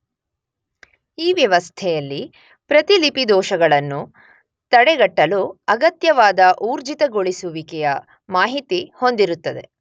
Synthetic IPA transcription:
iːʋjɐʋɐst̪ʰɛjɐlːi | pɾɐt̪ilipid̪ɔːʃɐɡɐɭɐnːu | t̪ɐɽɛɡɐʈːɐluɐɡɐt̪jɐʋaːd̪ɐʔuːɾd͡ʒit̪ɐɡoɭisuʋikɛjɐ | maːɦit̪iho̞nd̪iɾut̪ːɐd̪e̞̰

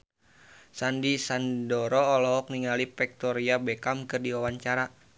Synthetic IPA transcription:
sandisandɔɾɔːlɔɦɔk̚niŋalipɛk̚t̪ɔɾiabɛkamkɨrdiɔwaɲt͡ʃaɾa

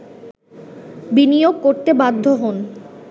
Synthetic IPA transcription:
binijoɡ̚koɾt̪ebad̪ʱːoɦon

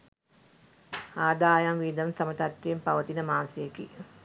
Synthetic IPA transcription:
aːd̪aːjamʋiːd̪əmsamət̪at̪ːeːmpaʋət̪inəmaːnsejeki

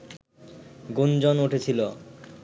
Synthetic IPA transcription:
ɡund͡ʑonuʈʰet͡ɕʰilo

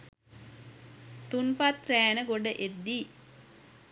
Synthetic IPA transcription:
t̪unpat̪ræːnəɡoɖəʔed̪ːi

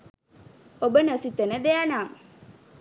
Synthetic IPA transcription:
obənəsit̪ənəd̪ejanaːm

